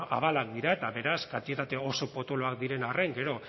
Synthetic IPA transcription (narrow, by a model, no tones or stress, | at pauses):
a̰βalak̚d̪iɾae̞t̪aβe̞ɾaskant̪iet̪at̪e̞o̞so̞po̞t̪o̞loakd̪iɾe̞nareŋɡe̞ɾo̞